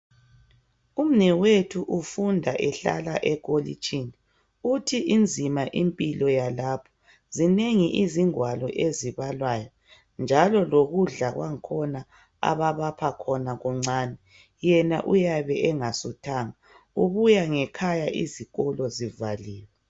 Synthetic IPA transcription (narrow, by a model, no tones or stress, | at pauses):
um̩nɛwetʰuʔufundʱaʔɛɬa̰la̰ʔɛɣolḭt͡ʃʼini | utʰiʔind͡zʱimaʔimpʼilɔjalapʰɔ̥ | zineŋiʔiziŋwalɔʔeziβalwaːjɔ | nd͡ʒʱalɔloɣuɮaɣwaŋkʰɔna | a̰βaβapʰakʰɔnaɣɔŋ͡ǀaːnɛ | jɛnaʔujaβɛʔɛŋasutʰaːŋa | uβujaŋɛkʰajaʔḭziɣɔlɔzivaliːwɛ